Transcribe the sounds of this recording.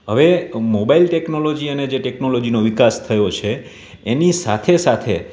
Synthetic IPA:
ɦəʋemobailʈeknolod͡ʒiəned͡ʒeʈeknolod͡ʒinoʋikast̪ʰəjot͡ʃʰeː | nisa̰t̪ʰesat̪ʰe

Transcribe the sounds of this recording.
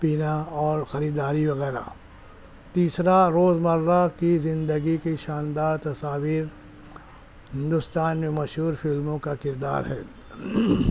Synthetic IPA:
piːnaɔːɾxɐɾiːd̪aːɾiʋɐɣɛːɾa̰ | t̪iːsɾaɾoːzmɐɾːakizɪ̃nd̪əɡikiʃaːnd̪aːɾt̪ɐsaːʋiːɾ | hɦɪ̃nd̪ʊst̪aːnmẽmɐʃɦuːɾfɪlmõkakɪɾd̪a̰ːɾɦɛ̰ː

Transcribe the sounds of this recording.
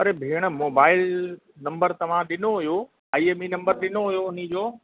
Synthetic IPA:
ɐɾebʱeːɽ̃ə̆moːbaːɪl | nɐ̃mbəɾt̪ɐʋ̤ãɗɪnoɦʊjoː | aːieːminɐ̃mbəɾɗɪnoɦʊjoʊnĭd͡ʑoː

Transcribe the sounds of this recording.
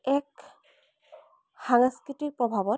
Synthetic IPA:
ɛk | xaŋskɹitik̚pɹɔbʱabɔt

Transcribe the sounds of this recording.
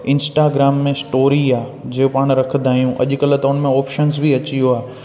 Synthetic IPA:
ɪ̃nsʈaːɡɾaːmːẽsʈoːɾiaːd͡ʑeːopaːɽ̃ɾɐk̪ʰd̪ʱaːijũʔɐ̰ʄʊkɐlət̪ɐʊnmẽɔːpʃənzbʱiɐt͡ɕijoaː

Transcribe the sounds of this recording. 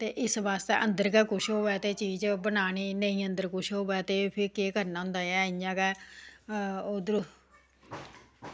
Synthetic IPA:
t̪eːʔɪsʋaːst̪ḛːʔənd̪əɾkɛːkʊʃɦoːʋɛːt̪eːt͡ʃiːd͡ʒbənaːniːnəĩːənd̪əɾkʊʃɦoːʋɛːt̪eːpʰɪɾkeːkəɾnaːɦʊ̃ːnd̪aːjɛːɪãːkɛː | oːd̪ɾo

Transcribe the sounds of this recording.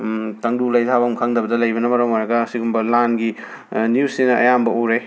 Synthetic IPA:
tɐŋdulɐjtʰabɐmkʰaŋdɐbɐdɐlɐjbɐnɐmɐɾomojɾɐɡɐːsiɡumbɐlanɡi | nijusinɐɐ̰jambɐowɾe

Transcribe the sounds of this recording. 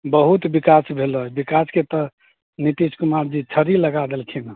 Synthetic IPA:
bəɦut̪bikasbʱelbikasket̪ɔ | nit̪iskumaɾd͡ʒit͡ʃʰəɾiləɡad̪elt͡ʃʰinə

